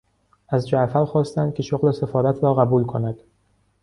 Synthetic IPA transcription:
æzd͡ʒæʔfæɾxɒːst̪ænd̪̚cʰʲe̞ʃoɣle̞sefɒːɾæt̪ʰɾɒːɣæbuːlkʰonæd̪̥

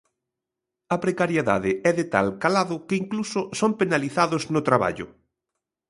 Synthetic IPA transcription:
ɐpɾekaɾjeða̰ðɪɛðɪt̪a̰lkalaðʊkɪiŋklusʊsompenaliθaðʊznʊt̪ɾaβa̰ʎʊ̰

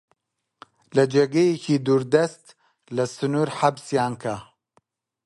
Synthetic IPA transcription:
lɐd͡ʒeɡɐjecʰid̪uːɾd̪ɐst̪ | lɐsɨnuːɾħabsjaːnkʰa

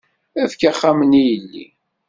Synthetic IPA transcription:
æfkaχːamənijəlːḭ

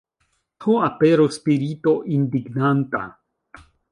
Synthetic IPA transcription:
tʰuapeɾuspiɾit̪oʔind̪iɡnant̪a̰

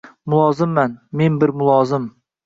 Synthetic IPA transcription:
mʊlˠɒzɪmːanme̞nbɪɾmʊlˠɒːzɪm

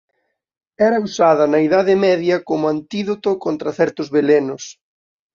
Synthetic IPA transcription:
ɛɾɐusaðɐnɐiðaðɪmɛðjɐkomʊant̪iðot̪okont̪ɾɐθɛɾt̪ʊzβelenʊs

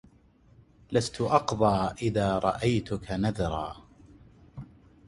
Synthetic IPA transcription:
last̪ʊʔɑqðˤɑːʔɪðaːɾˤɑ̰ʔajt̪ʊkanaðɾˤɑ̰ː

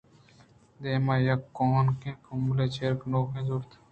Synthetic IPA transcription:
d̪eːmaːjɐkːoːnkẽːkʊmɡleːt͡ʃʰeɾknoːkẽːzuɾt̪ʰ

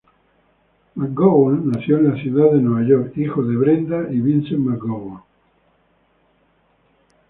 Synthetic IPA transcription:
mak̚ɡowanːaθjoẽnlaθjuðaððenweβaʝoɾkixoðeβɾend̪aʔiβinsemakɡowa

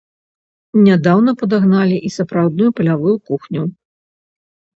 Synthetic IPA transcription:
nʲad̪awnɐpɐd̪aɣnalʲiʔisɐpɾawd̪nujupɐlʲavujukuxnʲu

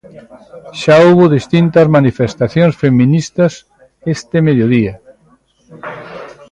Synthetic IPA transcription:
ʃaowβʊðist̪int̪ɐzmanifest̪aθjõnsfemĩnist̪ɐs | est̪emeðjoðiɐ

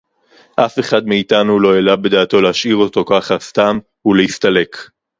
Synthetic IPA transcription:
ʔafe̞χadmeitanulo̞jelabe̞daːto̞lehaʃiʁo̞to̞kaχast̪am | uleist̪ale̞k

